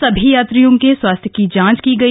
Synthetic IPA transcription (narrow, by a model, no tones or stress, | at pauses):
sɐbʱijaːt̪ɾijõkeswaːst̪ʰjəkid͡ʒãːt͡ʃkiɡɐi